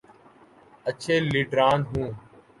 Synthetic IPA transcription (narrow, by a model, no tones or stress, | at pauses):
ət͡ʃʰeːliːɖɾaːnɦũː